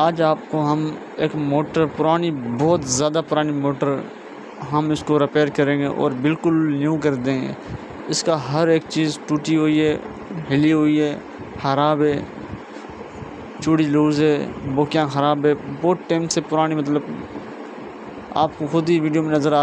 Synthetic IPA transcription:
aːd͡ʒaːp̚koɦəm | eːkmoːʈəɾpʊɾaːnibɔːt̪zjaːd̪apʊɾaːnimoːʈəɾ | ɦəmɪskoɾɪpeːɾkəɾẽːɡeʔɔ̰ːɾbɪlkʊlnjũːk̬əɾd̪ẽːɡḛː | ɪskaɦəɾeːkt͡ʃiːzʈuːʈiɦoːiɦɛː | ɦɪliɦoːiɦɛː | xəɾaːbɦɛː | t͡ʃuːɽiluːzɦɛːboːkjãxəɾaːbɦɛːboːʈeːmsepʊɾaːnimət̪̬ləb̚ | a̰ːp̚koxʊd̪iʋiːɖijoːmẽnəzəɾaː

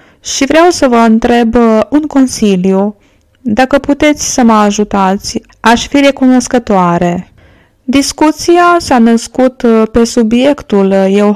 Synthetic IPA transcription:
ʃivɾeawsəvəɨnt̪ɾe̞buŋko̞nsilju | d̪akəput̪e̞t̪sʲsəməaʒut̪at̪sʲ | aʃfiɾe̞kuno̞skət̪oaɾe̞ | d̪iskut̪siasanəskut̪pe̞subje̞kt̪ulje̞w

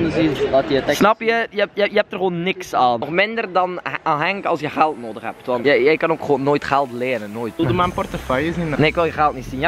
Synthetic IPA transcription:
nəziɑtjəətɛsnɑpjəjəjəjəɛp̚tərxoːnːɪksaːnɔxmɪndərdɑnaɦɛŋkəɑlˠsjəxɛlˠtnoːdəxhɛ̰p̚tʋɑnəjəjkɑnoːkχoːnːoːjtχɛlˠtleənənːoːjtldəmaənpɔrtəfœjəzinneːɪkʋɪlˠjəxɛlˠtnitsinjə

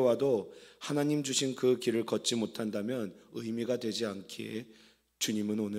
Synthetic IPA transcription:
wadohanaɲimd͡ʑuɕʰinkɯkiɾɯɭkʌt͡ɕ͈imotʰandamjʌnɯjmiɡadwe̞d͡ʑiankʰee | t͡ɕuɲimɯnonɯ

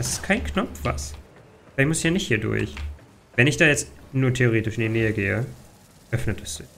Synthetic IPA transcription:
d̥asɪ̥stkʰaɪnknɔp͡fv̥a̰s | v̥aɪmʊsɪçjaːnɪçthiːɐdʊ̰ɐç | vɛnɪçd̥aːjɛt͡stnuːɐtʰeoʁeːtɪʃɪndinɛːəɡḛːə̰ | ʔœfnətas

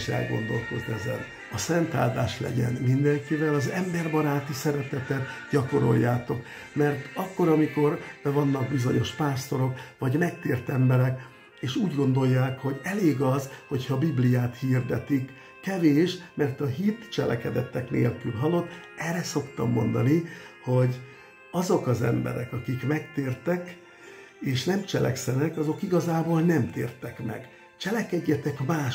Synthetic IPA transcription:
ʃɛ̰lɡo̞̰nd̪o̞̰lko̞znɛzɛ̰n | ɒsɛnt̪a̰ːld̪aːʃlɛ̰ɟɛ̰nmind̪ɛŋkivɛlɒzɛmbɛrbɒɾaːt̪isɛɾɛt̪ɛt̪ɛt̪ɟɒko̞ɾo̞̰jːaːt̪o̞k | mɛrt̪ɒkːo̞ɾɒmiko̞rvɒnːɒɡbizo̞ɲo̞ʃpaːst̪o̞ɾo̞kʋɒɟmɛkt̪eːrt̪ɛmbɛɾɛk | eːʃuːɟɡo̞nd̪o̞jːaːkho̞ɟɛleːɡɒzho̞chɒbiblijaːt̪hiːrd̪ɛt̪ikː | ɛveːʃmɛrt̪ɒɦit̪t͡ʃɛ̰lʔɛ̰kɛd̪ɛt̪ːɛknḛːlkylɦɒlo̞t̪ː | ɛrɛso̞kt̪ɒmːo̞nd̪ɒniho̞ɟ | ɒzo̞kɒzɛ̰mbɛ̰ɾɛ̰kɒkikmɛkt̪eːrt̪ɛk | eːʃnɛmt͡ʃɛlʔɛ̰ksɛnɛkɒzo̞kiɡɒzaːboːlnɛmt̪ḛːrt̪ɛkmɛ̰ɡ | t͡ʃɛlɛkɛɟːɛt̪ɛkmaːʃ

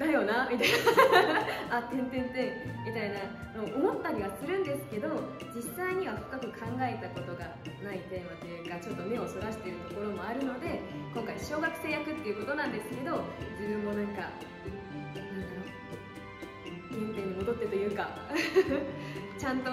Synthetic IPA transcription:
d̪ajo̞ːnamʲit̪aina | at̪ẽ̞nt̪ẽ̞nt̪ẽ̞mʲit̪aina | noʔomo̞t̪ːaɾʲiβ̞asɨɾɯ̟̃nd̪e̞sɨ̥ke̞d̪o̞ | d͡ʑisːaiɲ̟iβ̞aɸɯ̟̥kakɯ̟kʰãŋɡae̞t̪ako̞t̪o̞ɡa | nait̪e̞ːmat̪ːejɯɡat͡ɕo̞t̪ːo̞me̞o̞soɡaɕi̥t̪eɯ̟t̪o̞ko̞ɾo̞mo̞aɾɯ̟no̞d̪e̞kõ̞ŋkaiɕo̞ːɡakɯ̟̥se̞ːjakɯ̟t̪ːe̞iɯ̟ko̞t̪o̞nãnd̪e̞sɨ̥ke̞d̪o̞d͡ʑibɯ̟̃mːo̞nãŋka | ɯ̟̃ɴ | ẽnt̪ẽ̞ɲ̟ːimo̞d̪o̞t̪ːe̞t̪ojɯ̟ːka | t͡ɕãnt̪o

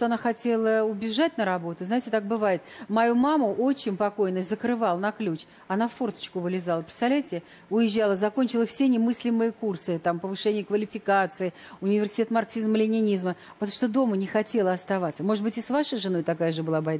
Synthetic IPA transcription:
ʂt̪oɐnaxɐtʲe̞lˠəʊbʲɪʐat̚ʲnəɾɐbo̞t̪ʊznaɪtʲɪt̪ak̚bɨvajɪt̪mɐjumamʊʔot͡ɕːɪnʲpɐko̞jnəzəkɾɨvalˠənɐklʲut͡ɕ | ɐnafːo̞rt̪ə̥t͡ɕkʊvɨlʲɪzalˠəpʲɾɪ̥st̪avlʲæjtʲɪ | ʊjɪʑːalˠəzɐkonʲt͡ɕɪlˠəfsʲenʲɪmɨsʲlʲɪmɨjəkursɨt̪ampəvɨʂɛnʲɪjəkvəlʲɪfʲɪkat̪sɨɪ | ʊnʲɪvʲɪrsʲɪ̥tʲet̪marksʲizmlʲɪnʲɪnʲizmə | vət̪ʂt̪od̪o̞mənʲɪxɐtʲelˠəɐst̪ɐvat̪səmo̞ʐɨt̪bɨtʲɪsvaʂəjʐɨno̞jt̪ɐkajəʐɨbɨlˠabɐjd̪

